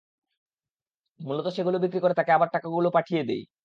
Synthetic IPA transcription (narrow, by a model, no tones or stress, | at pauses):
mulot̪oʃeɡulobikɾikoɾet̪akeabaɾʈakaɡulopaʈʰijed̪ḛj